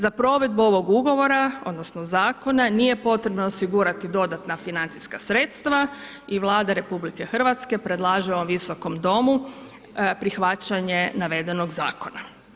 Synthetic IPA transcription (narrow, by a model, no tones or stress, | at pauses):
zapɾo̞ːʋe̞d̪̚buo̞ʋo̞ɡuɡo̞ʋo̞ɾaod̪no̞snozaːko̞nanije̞po̞t̪ɾe̞bnoosiɡuɾat̪id̪o̞d̪at̪nafinant̪si̥skasɾet̪st̪ʋa | iʋlˠaːd̪aɾe̞publikexr̩ʋat̪ske̞pɾe̞d̪lˠaːʒiomʋiso̞ko̞md̪o̞mu | pɾixʋat͡ɕaɲe̞naʋe̞d̪e̞no̞ɡza̰ːko̞na